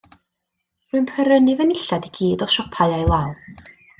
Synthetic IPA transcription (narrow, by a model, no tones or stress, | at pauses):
rʊɨnpʰɛɾənɨvənɪɬadiɡiːdɔʃɔpʰaɨajlˠawˠ